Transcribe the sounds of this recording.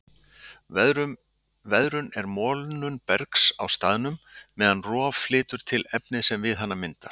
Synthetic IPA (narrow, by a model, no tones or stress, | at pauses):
vɛðɾʏnɛɾmɔːlnʏnpɛɾksa̰wst̪aːðnʏmːɛːðanrɔːvflɪːt̪ʏɾ̥t̪ʰɪlɛpnɪsɛmvɪðɦan̪ːamɪnt̪aɾ̥